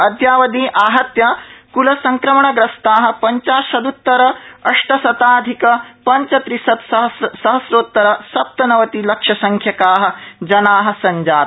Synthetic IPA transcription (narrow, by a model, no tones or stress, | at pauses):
ɐd̪ʱjaːʋɐd̪iːʔaːɦɐt̪jɐkulɐsɐŋkɾɐmɐɳɐɡɾɐst̪aːɦɐ̆pɐɲt͡ʃaːʃɐd̪ut̪ːɐɾɐɐʂʈɐsɐt̪aːd̪ʱikɐpɐɲt͡ʃɐt̪ɾisɐt̪sɐɦsɐɦɐsɾoːt̪ːɐɾɐsɐp̚t̪ɐnɐʋɐt̪ilɐkʂɐsɐŋkʰjɐkaːɦɐ̆d͡ʒɐnaːɦɐ̆sɐɲd͡ʒaːt̪